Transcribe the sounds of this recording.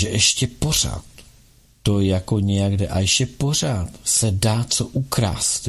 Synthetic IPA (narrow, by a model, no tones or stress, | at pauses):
ʒɛʔɛʃcɛpo̞r̝a̰ːt̪ː | ojakoɲɛjaɡdɛʔaɛʃcɛpo̞r̝aːt̪sɛdaːt͡soʔukɾa̰ːst̪